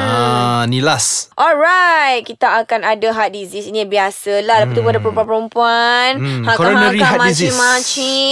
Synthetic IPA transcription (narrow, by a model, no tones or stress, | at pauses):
anilasʔɔlɾajt̪̚kit̪aːkanadaɦat̪̚dizisinibiasəlahdapat̪ːubadapəɾɔmpuanpəɾɔmpuanhakɔɾɔnaɾiahamadiziimat͡ʃi